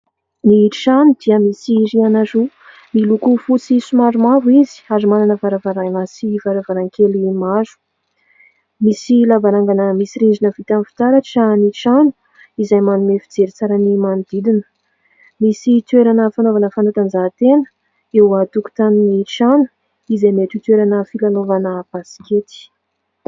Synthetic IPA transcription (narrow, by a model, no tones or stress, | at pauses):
niʈ͡ʂanud̪iəmisiɾianaɾu | milukufut͡sisumaɾumavuizi̥azumananəvaɾavaɾanasivaɾavaɾaŋkelimazu̥ | misilavaɾaŋɡanəmisiɾind͡ʒinəvit̪amifi̥t̪aɾaʈ͡ʂaniʈ͡ʂanu | izajmanumefid͡zeɾit͡saɾanimand̪id̪inə̥ | misit̪weɾanəfanovanəfanat̪anzat̪enə̥ | ewat̪uku̥t̪anniʈ͡ʂanu̥ | izameʈ͡ʂit̪weɾanəfilanovanəb̥asi̥ket̪i̥